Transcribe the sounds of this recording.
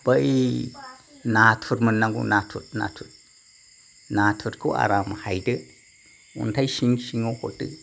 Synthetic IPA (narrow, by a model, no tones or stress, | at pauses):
b̥aʔi | natʰuɾmənːaŋɡṵnatʰut̚na̰tʰut̚ | natʰuɾko̰a̰ɾamahajdə | ṵntajʃiŋʃiŋohotɨ̰